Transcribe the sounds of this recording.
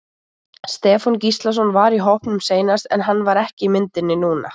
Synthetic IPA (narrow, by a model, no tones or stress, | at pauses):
st̪ɛːfɔncist̪lasɔnvaɾiɦowhpnʏmseːjnast̪ɛ̰nɦanːvaɾɛhcɪmɪnt̪ɪnːɪnuːna̰